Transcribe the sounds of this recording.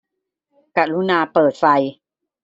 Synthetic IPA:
ka˧˩ɾu˦˥naː˧pɤː˨˩t̪̚fa˧j

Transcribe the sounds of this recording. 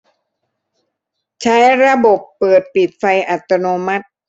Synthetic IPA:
t͡ɕʰa˦˥jɾa˧bo˨˩pːɤː˨˩t̪̚pi˨˩t̪̚fa˧jʔa˨˩t̪ːa˧noː˧ma˦˥t̪̚

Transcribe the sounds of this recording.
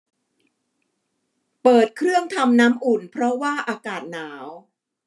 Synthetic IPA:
pɤː˨˩t̪̚kʰɾɯ˥˩əŋt̪ʰa˧mnaː˦˥mʔu˨˩npʰɾɔ˦˥waː˥˩ʔaː˧kaː˨˩t̪̚naː˩˦w

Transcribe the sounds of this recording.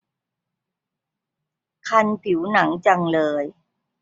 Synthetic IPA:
kʰa˧npʰi˩˦wna˩˦ŋt͡ɕa˧ŋlɤː˧j

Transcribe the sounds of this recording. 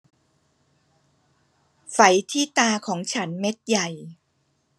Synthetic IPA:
fa˨˩˦jt̪ʰiː˥˩t̪aː˧kʰɔː˩˦ŋt͡ɕʰa˦˥nme˦˥t̪̚ja˨˩j

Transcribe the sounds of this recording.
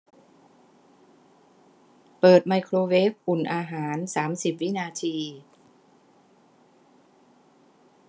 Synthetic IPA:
pɤː˨˩t̪̚ma˧jkʰɾoː˧weː˦˥p̚ʔu˨˩nʔaː˧ɦaː˩˦nsaː˩˦msi˨˩p̚wi˦˥naː˧t̪ʰiː˧

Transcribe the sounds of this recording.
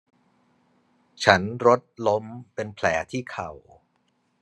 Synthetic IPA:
t͡ɕʰa˦˥nɾo˦˥t̪̚lo˦˥mpe˧npʰlɛː˩˦t̪ʰiː˥˩kʰa˨˩w

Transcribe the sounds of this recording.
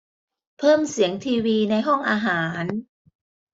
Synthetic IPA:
pʰɤː˥˩msi˩˦əŋt̪ʰiː˧wiː˧na˧jɦɔ˥˩ŋʔaː˧ɦaː˩˦n

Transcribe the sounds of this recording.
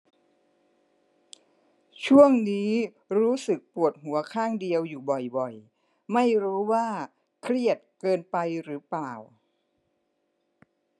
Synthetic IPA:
t͡ɕʰu˥˩əŋniː˦˥ | ɾuː˦˥sɯ˨˩k̚pu˨˩ət̪̚ɦu˩˦ɐkʰaː˥˩ŋdi˧əwjuː˨˩bɔ˨˩jbɔ˨˩j | ma˥˩jɾuː˦˥waː˥˩ | kʰɾi˥˩ət̪̚kɤː˧npa˧jɾɯː˩˦plaː˨˩w

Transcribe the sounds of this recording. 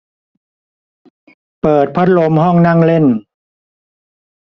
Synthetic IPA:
pɤː˨˩t̪̚pʰa˦˥t̪̚lo˧mɦɔ˥˩ŋna˥˩ŋle˥˩n

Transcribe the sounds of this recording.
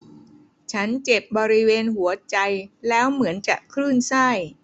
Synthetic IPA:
t͡ɕʰa˦˥nt͡ɕe˨˩p̚bɔː˧ɾi˦˥weː˧nhu˩˦ɐt͡ɕa˧jlɛː˦˥wmɯ˩˦ənt͡ɕaː˨˩kʰɾɯː˥˩nsa˥˩j

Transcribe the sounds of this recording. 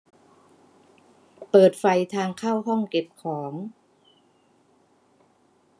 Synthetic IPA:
pɤː˨˩t̪̚fa˧jt̪ʰaː˧ŋkʰa˥˩wɦɔ˥˩ŋke˨˩p̚kʰɔː˩˦ŋ

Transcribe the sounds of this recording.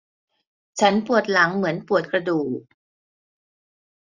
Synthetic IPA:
t͡ɕʰa˦˥npu˨˩ət̪̚la˩˦ŋmɯ˩˦ənpu˨˩ət̪̚kɾa˧duː˨˩k̚

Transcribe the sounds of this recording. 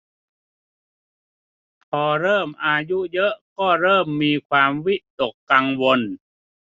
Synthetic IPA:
pʰɔː˧ɾɤː˥˩mʔaː˧ju˦˥ʔjɤ˦˥ʔkɔː˥˩ɾɤː˥˩mːiː˧kʰwaː˧mwi˦˥ʔt̪o˨˩kːaː˧ŋwo˧n

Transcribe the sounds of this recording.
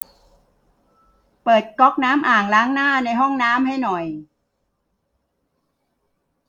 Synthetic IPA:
pɤː˨˩t̪̚kɔ˦˥k̚naː˦˥mʔaː˨˩ŋlaː˦˥ŋnaː˥˩na˧jɦɔ˥˩ŋnaː˦˥mɦa˥˩jnɔ˨˩j

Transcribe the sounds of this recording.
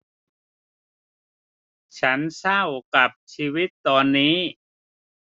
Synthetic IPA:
t͡ɕʰa˦˥nsa˥˩wka˨˩p̚t͡ɕʰiː˧wi˦˥t̪ːɔː˧nːiː˦˥

